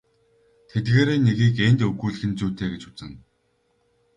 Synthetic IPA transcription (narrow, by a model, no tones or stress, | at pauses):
t̪ʰet̪ɡeːɾeːneɣiːkent̪ɵɣuːɮɘ̆xɘ̆nt͡suːt̪ʰeːɡet͡ɕʊ̥t͡sə̆ŋ